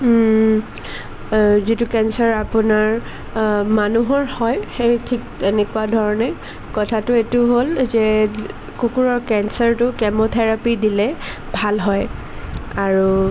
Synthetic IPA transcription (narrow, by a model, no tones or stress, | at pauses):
zitʊkɛnsaɹapʊnaɹ | manuɦɔɹhɔjxejtʰik̚tenɛkʊadʱɔɹɔnɛ | kɔtʰatʊetʊɦolzɛ | kukuɹɔɹkɛnsaɹtʊkɛmɔt̪ʰɛɹapidilɛ | bʱalɦɔj | aɹu